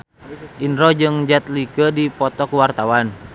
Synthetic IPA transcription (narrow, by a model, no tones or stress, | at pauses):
ʔinɾɔd͡ʒɨŋd͡ʒat̪̚likədipɔt̪ɔkwart̪awan